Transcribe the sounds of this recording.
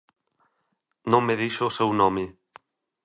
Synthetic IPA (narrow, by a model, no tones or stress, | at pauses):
nõŋmeðiʃoːsewnɔmɪ